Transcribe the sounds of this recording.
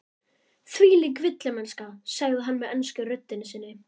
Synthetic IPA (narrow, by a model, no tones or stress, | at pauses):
θviːlikvɪt̪lɪmɛnskasaɣðɪɦanːmɛðɛnskʏrʏt̪ːɪnːɪsɪnːɪ